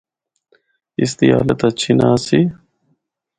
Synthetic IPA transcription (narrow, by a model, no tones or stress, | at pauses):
is̬t̪ia̰ːlɐt̪ɐt͡ɕʰinaːsi